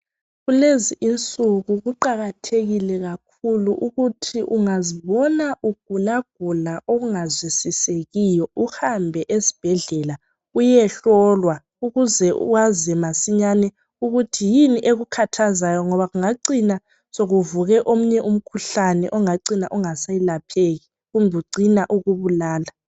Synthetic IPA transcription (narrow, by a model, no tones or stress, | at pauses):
ɣuleziʔint͡sʼuɣuɣuǃaɣatʰeɣilɛɣakʰuluʔuɣutʰiʔuŋaziβɔnaʔuɡ̥̚ʱulaɡ̥ʱulaʔoɣuŋazwisiseɣijɔuhambʱɛʔesi̥b̥ʱɛɮɛla | ujɛɬɔlwa | uɣuzɛwazimasiɲanɛ | uɣutʰijiniʔeɣukʰatʰazajɔŋɔβaɣuŋaǀina | soɣuvuɣɛʔom̩ɲɛʔum̩kʰuɬanɛʔɔŋaǀinaʔɔŋasajilapʰeɣi | ɣumbʱɛuǀinaʔuɣuβulaːla